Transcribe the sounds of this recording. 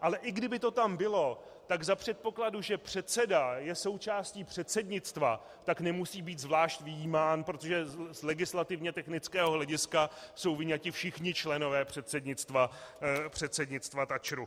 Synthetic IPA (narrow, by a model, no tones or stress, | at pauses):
ʔalɛʔɪɡdɪbɪt̪o̞t̪ambɪlo̞t̪aɡzapr̥ɛt̪̚po̞kladuʒɛpr̝̥ɛt̪sɛdajɛso̞wt͡ʃaːsciːpr̥ɛt̪sɛdɲɪt͡st̪va | t̪aknɛmusiːbiːt̪zvlaːʃcvɪjiːmaːnpɾo̞t̪oʒɛzlɛɡɪslat̪ɪvɲɛt̪ɛxnɪt͡skɛːɦoɦlɛɟɪskaso̞wvɪɲacɪfʃɪxɲɪt͡ʃlɛno̞vɛːpr̝̥ɛt̪sɛdɲɪt͡st̪vapr̥ɛt̪sɛdɲɪt͡st̪vat̪at͡ʃɾu